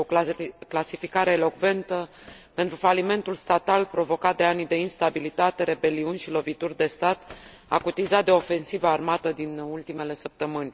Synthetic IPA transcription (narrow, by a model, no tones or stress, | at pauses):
oklasifikaɾe̞ːlo̞kve̞nt̪əpe̞nt̪ɾufalime̞nt̪ulst̪at̪alpɾo̞vo̞kat̪̚d̪e̞anid̪e̞inst̪abilit̪at̪e̞ɾe̞be̞liunʲʃilo̞vit̪urʲd̪e̞st̪at̪ | a̰kut̪izat̪̚d̪e̞o̞fe̞nsivəːrmat̪əd̪inult̪ime̞le̞səp̚t̪əmɨnʲ